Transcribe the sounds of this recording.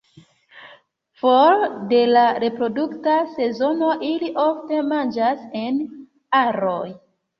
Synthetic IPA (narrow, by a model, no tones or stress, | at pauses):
folde̞laɾe̞pɾo̞duktase̞zo̞no̞ʔiliʔofte̞mand͡ʒase̞n | aɾoj